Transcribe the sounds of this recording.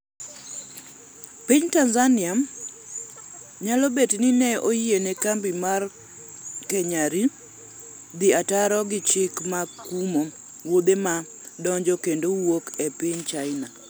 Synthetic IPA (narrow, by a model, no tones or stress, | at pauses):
piɲtanzanɪam | ɲalɔbetnɪnɛojienɛkambimar | kɛɲaɾi | d̪ɪataɾɔɡɪt͡ʃɪkmakumo | wod̪ema | dɔɲd͡ʒɔkendowokɛpɪɲt͡ʃaɪna